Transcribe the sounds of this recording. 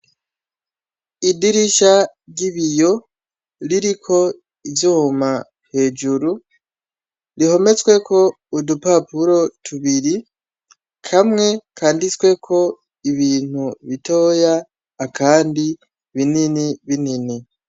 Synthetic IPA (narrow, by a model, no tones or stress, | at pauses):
idiɾiʃaɾɟiβijo̞ | ɾiɾikʰo̞ | ivjoma | he̞ːd͡ʒuɾu | ɾiho̞me̞t͡swe̞ko̞ | udupapuɾo̞tʰuβiɾi | kʰamŋe̞kʰaːndit͡swe̞kʰo̞ | iβiːn̥huβito̞ːjaː | kʰaːndi | βininiβinini